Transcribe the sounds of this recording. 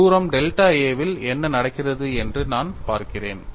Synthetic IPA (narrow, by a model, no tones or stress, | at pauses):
uːɾɐmɖɛlʈaːeːʋɪlɛnːɐnɐɽɐɪkːɪrɐðɯɛndrɯnaːnpaːɾkɪreːn